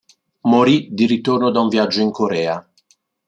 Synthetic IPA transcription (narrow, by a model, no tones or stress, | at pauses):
moɾid̪iɾit̪ornod̪auɱvjad͡ʒːoiŋkoɾɛːa